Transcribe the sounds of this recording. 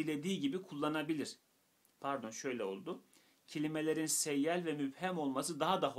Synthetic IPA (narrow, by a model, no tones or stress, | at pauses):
ilʲe̞d̪iːɟibikʰulˠːanabilʲiɾ̥ | pʰæɾd̪o̞nʃø̞jlʲɛo̞̰lˠd̪ʊ | cʰelʲime̞lʲe̞ɾinsɛjːælʲvɛmybhæmo̞lˠmasɯd̪aɦad̪aɦo